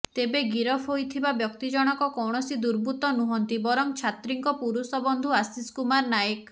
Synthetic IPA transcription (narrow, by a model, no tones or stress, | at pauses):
t̪ebeɡiɾɔpʰɦojt̪ʰibabjɔkt̪id͡ʒɔɽ̃ɔkɔkɔwɳ̃ɔsid̪uɾbʱut̪ɔnuɦɔnt̪ibɔɾɔŋt͡ʃʰat̪ɾiŋkɔpuɾusɔbɔnd̪ʱuasiskumaɾnajek